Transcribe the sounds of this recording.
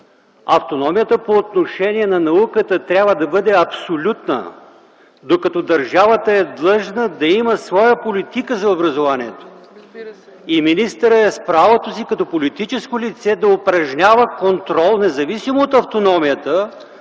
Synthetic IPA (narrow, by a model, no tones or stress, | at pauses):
ɐ̰ft̪onɔmijət̪əpoːt̪noʃɛniɛnɐnɐukət̪ət̪ɾʲabvəd̪ɐbɤd̪ɛɐpsolʲut̪nə̰ | d̪okɐt̪ɔd̪ɐɾʒavət̪əɛd̪lˠɤʒnəd̪ɐiməsvɔjəpolit̪ikəzɐobɾɐzovaniɛt̪o̥ | iminist̪əɾəɛspɾavot̪osikɐt̪ɔpolit̪it͡ʃɛskolit̪sɛd̪ɐopɾɐʒnʲavəkont̪ɾɔlˠnɛzɐvisimoːt̪ɐft̪onɔmijət̪ə